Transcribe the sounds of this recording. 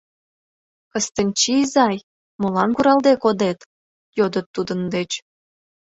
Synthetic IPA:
kəst̪ənʲt͡ɕizɑj | molɑnkuɾɑld̪ekod̪et̪ | jod̪ət̪ːud̪ənd̪et͡ɕ

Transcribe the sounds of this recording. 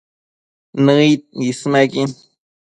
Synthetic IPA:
nəit̪̚ismakin

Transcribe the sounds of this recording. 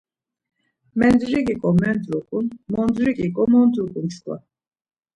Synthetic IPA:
mɛnd̪ɾikʼikʼɔmɛnd̪ɾukʼunmɔnd̪ɾikʼikʼɔmɔnd̪ukʼunst̪ʼwa̰

